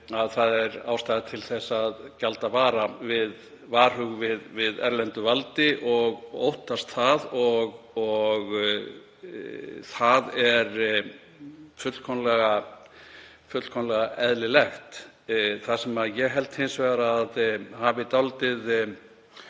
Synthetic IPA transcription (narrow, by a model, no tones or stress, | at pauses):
aðθaðɛɾaːwst̪ajðat̪ʰɪlθɛsːaðcalt̪avaːɾavɪð | vaːɾ̥hʏɣvɪðvɪðɛ̰ɾlɛnt̪ʏvalt̪ɪʔɔɣo̰wht̪ast̪θaðɔɣ | ɔɣ | θaðɛɾ | fʏt̪l̥kʰɔnlɛɣa | fʏt̪l̥kʰɔnlɛɣaʔɛðlɪlɛxt̪ | θasɛmajɛɣɦɛlt̪hensvɛɣaɾaðhaːvɪit̪awlt̪ɪð